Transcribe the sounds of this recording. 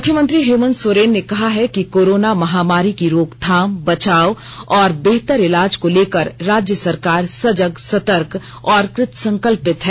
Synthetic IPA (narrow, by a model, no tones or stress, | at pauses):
mʊkʰjəmə̃nt̪ɾiɦjuːmə̃nsoːɾeːnːekɐɦaɦɛkikoːɾoːnamɐɦaːmaːɾikiɾoːɡt̪ʰaːmbɐt͡ʃaːo | ɔːɾbeɦt̪əɾɪlaːd͡ʒkoleːkəɾːaːd͡ʒjəsɐɾkaːɾsɐd͡ʒəɡsɐt̪əɾk | ɔːɾkɾɪt̪sɐ̃ŋkəlpɪt̪ɦɛː